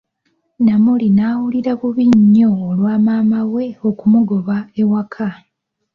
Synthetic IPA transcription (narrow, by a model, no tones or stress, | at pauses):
namulinaːwuliɾaβuβiɲːo̞ːlwaːmaːmawe̞okumuɡoβaewakʰa